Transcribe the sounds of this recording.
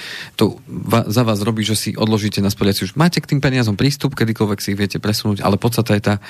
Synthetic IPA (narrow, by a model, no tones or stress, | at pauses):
t̪ɔʋazaʋaːzɾɔbiːʒɛsḭʔɔd̪lɔʒiːcɛnaspɔʎɪat͡siuʒmaːcɛkt̪iːmpɛɲɪazɔmpɾiːst̪upkɛd̪ikɔlʋɛksiiɣʋɪɛcɛpɾɛsunuːɟa̰lɛpɔt̪st̪at̪ajɛt̪aː